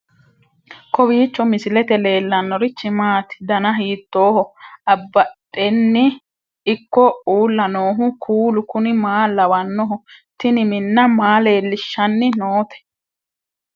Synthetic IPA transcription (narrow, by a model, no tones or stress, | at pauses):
kɔwiːt͡ʃːɔmɪsɪlɛt̪ɛle̞ːlːɐnːɔɾɪt͡ʃːɪmaːt̪ɪ̥d̪ɐnɐɦiːt̪ːo̞ːhɔɐbːɐtʼːɛnːɪː | kːɔuːlːɐnoːɦʊkʰuːlʊkʊnɪmaːlːɐwɐnːɔɦʊt̪ɪnɪmɪnːɐmaːle̞ːlːɪʃːɐnːɪnoːt̪ɛ̥